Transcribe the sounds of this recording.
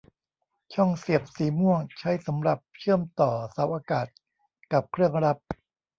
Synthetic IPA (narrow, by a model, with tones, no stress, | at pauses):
t͡ɕʰɔ˥˩ŋsi˨˩əp̚siː˨˩mu˥˩əŋt͡ɕʰa˦˥jsa˩˦mɾa˨˩p̚t͡ɕʰɯ˥˩əmt̪ɔː˨˩sa˩˦wʔaː˧kaː˨˩t̪̚ | ka˨˩p̚kʰɾɯ˥˩əŋɾa˦˥p̚